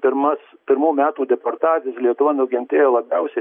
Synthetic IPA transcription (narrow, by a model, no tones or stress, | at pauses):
pʲɪɾmɐspʲɪɾmuːmʲæːt̪uːd̪ʲɛpɐrt̪ɑːt͡s̪ʲɪjɛslʲiɛt̪ʊʋɐnʊɡʲɪnʲt̪ʲeːjolˠɐbʲɛʊsʲɛ